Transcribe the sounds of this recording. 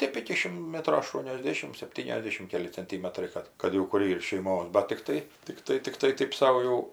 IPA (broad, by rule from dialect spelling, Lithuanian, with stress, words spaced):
ˈtʲeːp ɪkʲɪ ˈʃʲɪm ˈmʲæːtroː ɐˌʃtuɔnʲoːzʲˈdʲeːʃʲɪm sʲɛpʲˈtʲiːnʲɛzʲˌdʲæːʃʲɪm ˈkʲæːlʲɪ t͡sʲɛnʲˈtʲiːmʲɛtrɐɪ ˈkɐt kɐt jɛʊ ˈkʊr ˈiːr ʃʲɛɪˈmoːs ˈbɐt tʲɪkˈtɐɪ tʲɪkˈtɐɪ tʲɪkˈtɐɪ ˈtɐɪp ˈsɐʊ jɛʊ